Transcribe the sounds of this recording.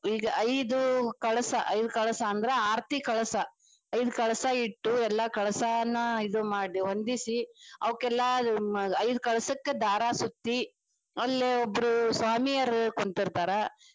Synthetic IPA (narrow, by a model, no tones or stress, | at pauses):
iːɡɐʔɐjd̪ukɐɭɐsɐʔɐjd̪ukɐɭɐsɐːnd̪ɐɾeaːɾt̪ikɐɭɐsɐ | ɐjd̪ukɐɭɐsɐiʈːuɛlːɐkɐɭɐsɐnːɐid̪umaːɽiʋɐnd̪isiɐʋɐkːɛlːɐɐjd̪ukɐɭɐsɐkːed̪aːɾasut̪ːi | ɐlːeobːɐɾusʋaːmijɐɾkoɳt̪iɾt̪aːɾe